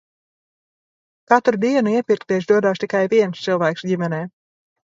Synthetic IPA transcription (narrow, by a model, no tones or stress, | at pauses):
kat̪ɾud̪iɛnuiɛpʲiɾk̚t̪iɛʃ̬d̪uɔd̪aːʃt̪ikajviɛnst̪sɨlˠvaːksɟʲimɛnɛː